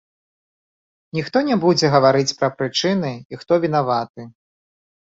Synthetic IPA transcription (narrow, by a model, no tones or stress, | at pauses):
nʲixt̪ɔnʲɛbud͡zʲɛɣɐvaɾɨt͡sʲpɾɐpɾɨt͡ʂɨnɨixt̪ɔvʲin̪avat̪̚ɨ